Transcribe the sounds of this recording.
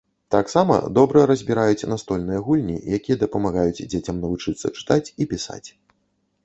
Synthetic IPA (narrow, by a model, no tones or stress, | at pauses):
t̪aksamɐ̰d̪ɔbɾɐɾɐzʲbʲiɾajut͡sʲnast̪ɔlʲnɨjɐɣulʲnʲḭjakʲijɐd̪ɐpɐmaɣajud͡zʲd͡zʲet͡sʲɐmnɐvut͡ʂɨt̪sːɐ̰t͡ʂɨ̥t̪at͡sʲipʲisa̰t͡sʲ